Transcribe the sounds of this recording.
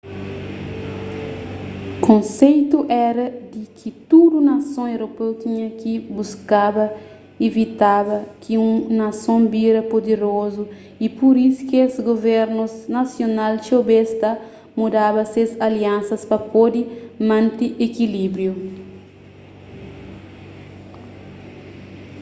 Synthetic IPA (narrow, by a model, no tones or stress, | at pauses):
kõnsejt̪uʔɛɾɐd̪ikʰit̪ud̪unɐsõŋewɾopewt̪iɲɐkibuskabɐ | evit̪aβɐkʰiũŋnɐsõmbiɾɐpod̪eɾozu | ipuɾisu̥kesɡovɛɾnusnasjonalt͡ʃobest̪ɐ | mud̪abɐsezaliãnsɐspɐpod̪imãnt̪iʔekilibɾju